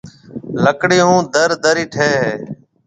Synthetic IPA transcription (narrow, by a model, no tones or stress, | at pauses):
ləkɽiːũːd̪əɾd̪əɾiːʈʰeːɦeː